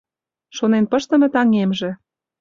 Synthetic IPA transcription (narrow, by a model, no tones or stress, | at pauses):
ʃonenpɤ̆ʃt̪ə̆mɤ̆t̪ɑŋemʒĕ